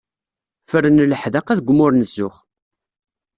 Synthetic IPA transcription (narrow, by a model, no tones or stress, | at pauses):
fəɾənələħðəqæðɡʷmʊɾnəsːʊχ